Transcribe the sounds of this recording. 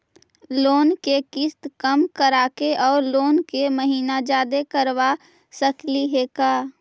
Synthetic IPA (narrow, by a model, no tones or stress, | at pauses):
loːnkekɪst̪kəmkəɾaːkeʔɔːɾloːnkeməɦiːnad͡ʒaːd̪ekəɾwa | səkliɦeːkaː